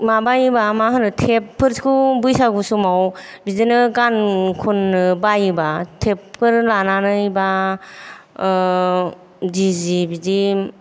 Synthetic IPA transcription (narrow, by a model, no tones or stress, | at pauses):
mabajibamaɦɯnɯtʰepʰːɯɾskʰubujsaɡusumawbizinɯkankʰunːɯbajibatʰepkʰɯɾlananɯjba | dizibizi